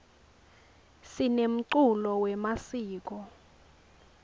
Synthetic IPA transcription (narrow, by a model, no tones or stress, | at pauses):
sinem̩ǀulɔwɛmasiːk̬ɔ